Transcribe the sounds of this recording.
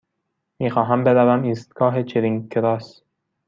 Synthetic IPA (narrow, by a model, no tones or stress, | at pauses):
miːxɒːɦæmbed̪ævæmiːst̪̚ɡɒːɦet͡ʃʰeɾiŋkeɾɑːs